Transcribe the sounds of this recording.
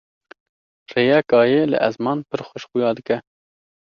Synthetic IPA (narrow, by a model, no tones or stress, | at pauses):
reːjɛkɑːjeːlɨ̰ʔæzmɑːnpʰəɾxʷəʃxujɑːd̪ɨkɛ